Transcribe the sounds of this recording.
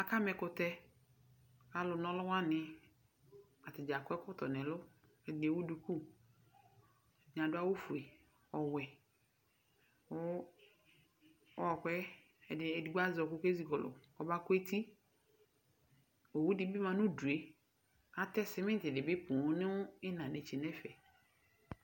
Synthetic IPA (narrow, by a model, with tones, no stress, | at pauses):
a˨ka˦mɛ˨kʊ˨tɛ˦ | a˨lʊ˨nɔ˦lʊ˦wa˦nɪ˨ | a˨tɪ˨d͡ʒa˨kɛ˦kɔ˦tɔ˨nɛ˨lʊ˦ | ɛ˨de˨wu˦du˨ku˦ | ɲ˨ã˨dʊ˦a˦wo˦fu˨e˨ | ɔ˨wɛ˨ | ɔ˦ | ɔ˦ɔ˨kʷwɛ˦ | ɛ˨dɪ˨ɛ˨di˨ɡ͡ba˦zɔ˨kʊ˦ke˦zi˨kɔ˨lʊ̰˨ɔ˨ba˦kʊ˦e˦tʰi˦ | o˨wu˦dɪ˦bɪ˦mã˨nʊ˦du˨e˨ | a˨tɛ˦sɪ˦mɪ˦tɪ˨dɪ˨bɪ˦pũ˨˦nɪ˦ʊ˦ɪ˦nã˨de˨t͡ʃe˨nɛ˦fɛ˨